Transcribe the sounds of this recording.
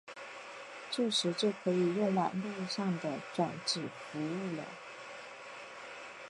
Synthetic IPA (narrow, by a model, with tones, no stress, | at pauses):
t͡ɕjo˥˩ʂɻ̩˧˥t͡ɕjo˥˩kʰɤ˧˥i˨˩jʊ˥˧ŋla̰˨˩nlu˥˧ʂɑ˥˩ŋd̪ə˩ʈ͡ʂwa˨˩nʈ͡ʂɻ̩˨˩fu˧˥u˥˩lə̰˩